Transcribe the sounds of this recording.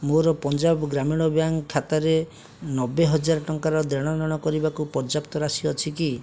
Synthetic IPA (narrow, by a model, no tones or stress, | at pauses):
moɾɔpɔnd͡ʒabɡɾamiɽ̃ɔbjaŋkʰːat̪aɾe | nɔbeɦɔd͡ʒaɾɔʈɔŋkaɾɔd̪eɽ̃anɔɽ̃ɔkɔɾibakupɔɾd͡ʒapt̪ɔɾasiɔt͡ʃʰiki